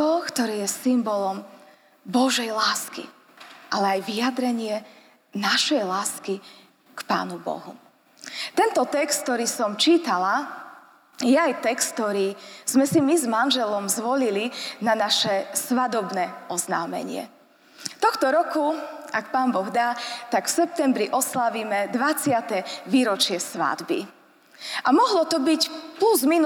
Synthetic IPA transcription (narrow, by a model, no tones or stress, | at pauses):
ɔkt̪ɔɾiːjɛsimbɔlɔm | bɔʒɛjlaːskḭ | ʔalɛajʋiad̪ɾɛɲɪɛ | naʃɛjlaːski | kpa̰ːnubɔ̰ɦṵ | t̪ɛnt̪ɔt̪ɛkst̪t̪ɔɾiːsɔmt͡ʃiːt̪ala | jɛajt̪ɛkst̪̚t̪ɔɾiːz̥mɛsimizmanʒɛlɔmzʋɔlilinanaʃɛsʋad̪ɔbnɛʔɔzna̰ːmɛ̰ɲɪɛ̰ | t̪ɔxt̪ɔɾɔkuakpaːmbɔɣd̪aːt̪akfsɛp̚t̪ɛmbɾiʔɔslaʋiːmɛd̪ʋat͡sɪat̪ɛʋiːɾɔt͡ʃɪɛsʋa̰d̪bḭ | ʔamɔɦlɔt̪ɔbicpluzmin